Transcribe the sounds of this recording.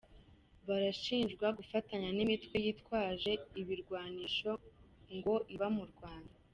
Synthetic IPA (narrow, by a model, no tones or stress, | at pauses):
βaɾaʃiːnʒɡwaɡufataɲanimitkwe̞jiːtwaːʒe̞iβiɾɡwaːniːʃo̞ŋɡo̞ʔiβamuɾɡwaːnda